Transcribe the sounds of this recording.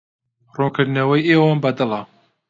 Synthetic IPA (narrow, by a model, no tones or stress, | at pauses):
roŋkʰɨɾd̪ɨnɐwɐjeːwɑnbɐd̪ɨlˠɐ